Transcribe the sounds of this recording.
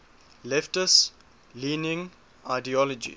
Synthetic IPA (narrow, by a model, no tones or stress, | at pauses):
lɛftəs | liːnɪ̃ŋ | aɪdiɔlɔd͡ʒḭ